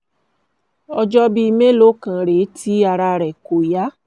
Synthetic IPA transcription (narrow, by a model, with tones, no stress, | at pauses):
ɔ˧d͡ʒɔ˦bi˧me˦lo˦kã˧ɾe˨˦tʰi˦a˧ɾa˧ɾɛ˨ko˨ja˨˦